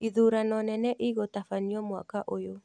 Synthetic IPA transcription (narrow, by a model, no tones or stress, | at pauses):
iðuɾanɔnɛnɛʔiɣotafaɲiɔmwa̰kaʔojo